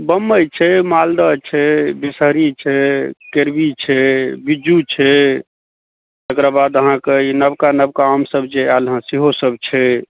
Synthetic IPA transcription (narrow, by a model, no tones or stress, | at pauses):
bəmːəjt͡ʃʰɛmald̪ət͡ʃʰɛbisəɾit͡ʃʰɛkeɾbit͡ʃʰɛbid͡ʒut͡ʃʰɛ | t̪ekɾabad̪əɦãkeinəbkanəb̚kaːmsəbt͡ʃʰealɦãsiɦosəbt͡ʃʰɛ